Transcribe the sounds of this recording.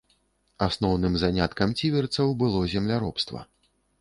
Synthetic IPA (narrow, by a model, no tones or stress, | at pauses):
asnɔwnɨmzanʲat̪kɐmt͡sʲivʲɛrt̪sɐwbɨlˠɔzʲɛmlʲaɾɔpst̪vɐ̰